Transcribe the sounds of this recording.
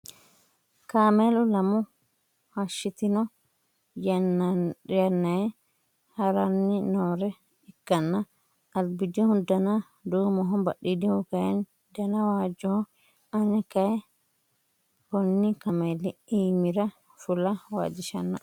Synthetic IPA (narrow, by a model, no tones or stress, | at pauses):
kaːmelʊlɐmʊ | hɐʃːɪt̪ɪnɔ | j | jɐnːɐjɛ | hɐɾɐnːɪnoːɾɛ | ɪkːɐnːɐ | ɐd̪bɪd͡ʒ̪ihʊd̪ɐnɐ | d̪uːmɔɦɔbɐ̰ɗid̪ɪhʊkɐjɛn | d̪ɐnɐwaːd͡ʒːɔhɔ | ɐnɛkɐjɛ | bɔnːɪkɐmelɪiːmɪɾɐ | fʊlɐwa̰ːd͡ʒɪʃɐnːɐ